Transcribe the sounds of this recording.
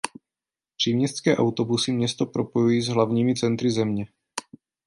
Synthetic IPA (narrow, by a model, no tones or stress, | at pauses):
pr̝̥iːmɲɛst̪t͡skɛːʔawt̪o̞busɪmɲɛst̪opɾo̞po̞jujiːzɦlavɲiːmɪt͡sɛnt̪ɾɪzɛmɲɛ